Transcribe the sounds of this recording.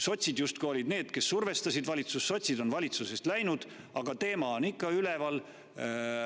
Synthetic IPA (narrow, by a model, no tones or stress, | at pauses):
so̞t̪ʲsid̪̥just̪̚ko̞ːlid̪ne̞ːd̪̥ke̞sːurve̞st̪ɑsid̪̥vɑlit̪susːo̞t̪ʲsid̪o̞nvɑlʲit̪suse̞st̪læjnud̪̥ | ɑɡ̥ɑt̪e̞ːmɑonikːˑɑylevɑl